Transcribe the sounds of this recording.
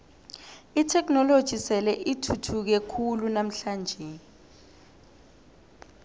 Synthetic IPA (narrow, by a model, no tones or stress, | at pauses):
itʰɛk̬nɔlod̥ʒ̥ʱisɛlɛʔitʰutʰuk̬ɛkʰulunam̩ɬaːnd͡ʒʱɛ